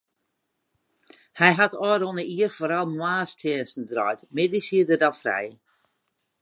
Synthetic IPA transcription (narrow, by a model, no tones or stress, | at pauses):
hɛjɦatʰɔjɾonəiərfoːɾalˠmwaːstʰɛːnsn̩drɔ̰jtmɪdisiədədafrɛ̰j